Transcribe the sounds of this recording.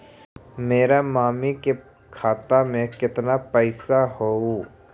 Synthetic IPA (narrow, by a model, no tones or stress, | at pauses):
meːɾamaːmike | kʰaːt̪amẽkɪt̪napəɪsaɦou